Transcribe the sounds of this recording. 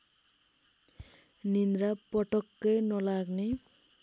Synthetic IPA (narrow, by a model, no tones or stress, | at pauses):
nind̪ɾapʌʈʌkːʌjnʌlaɡne